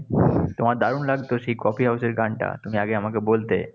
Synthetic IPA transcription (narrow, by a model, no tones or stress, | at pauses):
t̪omaɾd̪aɾunlaɡt̪oʃejkɔpʰiɦawseɾɡʱaɳʈa̰t̪umiaɡeamakebolt̪e